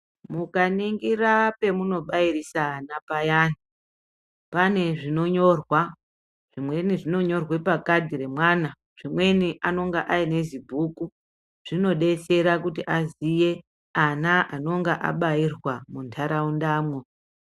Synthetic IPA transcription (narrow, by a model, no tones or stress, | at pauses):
mukaniŋɡirape̞muno̞ɓairisaːnapajaːni | pane̞ʐino̞ɲo̞rwa | ʐ̥imwe̞niʐino̞ɲo̞rwe̞pakadʱiɾe̞mwana | ʐ̥imwe̞niʔano̞ŋɡaʔaine̞zibʱuːku | ʐ̥ino̞ɗe̞t͡se̞ɾakutiʔazije̞ | anaʔano̞ŋɡaʔa̰ɓairwamuntʰaɾaundaːmwo̞